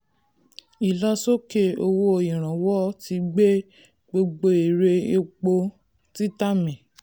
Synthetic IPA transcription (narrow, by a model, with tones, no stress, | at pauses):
i˨lɔ˦so˦ke˧o˧wo˦o˧˨ĩ˨ɾ̃ã˨wɔ˦ti˧ɡ͡be˦ | ɡ͡bo˧ɡ͡bo˧i˨ɾe˧e˧k͡po˧ | ti˦ta˦mĩ˨